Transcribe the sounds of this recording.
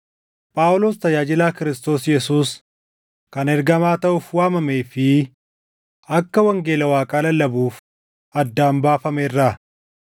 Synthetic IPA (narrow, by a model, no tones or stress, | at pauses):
pʼaːʊloːst̪ɐjaːd͡ʒɪlaːkɪɾɪst̪o̞ːsjɛsuːs | kɐnɛɾɡɐmaːt̪ɐʔʊfwaːmɐmeːfɪ | ʔɐkːɐwɐŋɡe̞ːlɐwaːkʼaːlɐlɐbuːf | ʔɐd̪ːaːmbaːfɐmeːrːa